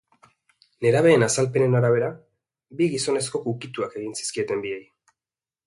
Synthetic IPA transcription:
le̞ɾaβ̞e̞ːnasalpe̞ne̞naɾaβ̞e̞ɾa | biɣiso̞ne̞sko̞kukit̪uake̞ɣinsi̥skie̞t̪e̞mbiej

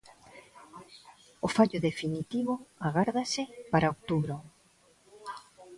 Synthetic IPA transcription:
ofaʎʊðefinit̪iβʊaɣaɾðasɪpaɾaok̚t̪uβɾo

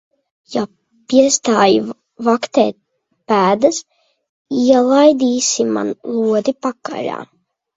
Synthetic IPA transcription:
ja | piɛst̪aːji | vakt̪ḛːt̪̚ | pæːd̪as | iɛlˠajd̪iːsima̰nlˠuɔd̪ipakːa̰la̰ː

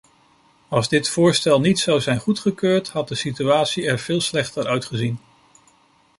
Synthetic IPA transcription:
ɑlˠzdɪtfʊːɹstɛlˠnitsʌwzɛjnχutχəkøːɹtɦɑt̚dəsityaːtsiɛɹv̥ɪːlˠslɛχtəɹʔœɥtχəzin

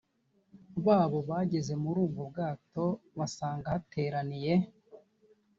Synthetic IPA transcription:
βaːβo̞βaːɟe̞ze̞muɾuːŋɡobɡaːto̞βasaːŋɡahatʰe̞ːɾanije̞

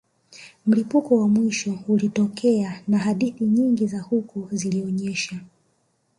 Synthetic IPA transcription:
m̩lipukɔwamwiʃɔulitɔkʰɛanaɦaɗiθiɲiŋɡizahukuziliɔɲɛʃa

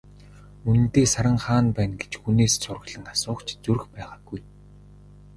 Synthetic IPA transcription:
un̆nt̪eːsaɾə̆ŋχaːnpæːnɡet͡ɕxuneːssʊrɣ̆ɮə̆nasʊːkt͡ɕʰt͡surɘ̆xpæːʁaːɡuj

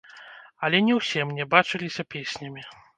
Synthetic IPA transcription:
ɐlʲɛnʲɛwsʲɛmnʲɛbat͡ʂɨlʲisʲɐpʲesʲnʲɐmʲi

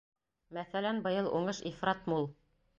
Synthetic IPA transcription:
mæθælænbɤ̆jɤlˠʔuɴɤʃifrɑt̪mulˠ

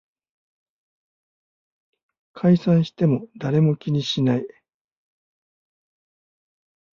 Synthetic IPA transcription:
kʰaisãɰ̃ɕi̥t̪e̞mo̞d̪aɾe̞mo̞kʲiɲ̟iɕinai

